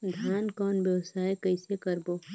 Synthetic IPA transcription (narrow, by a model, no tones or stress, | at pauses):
d̪ʱjaːnkɔːnbjəwsaːjkəɪsekəɾboː